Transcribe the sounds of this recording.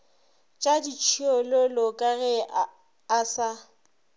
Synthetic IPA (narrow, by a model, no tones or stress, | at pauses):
t͡ʃʼadit͡ʃʰiɔlɔlɔkʼaɣɛː | sa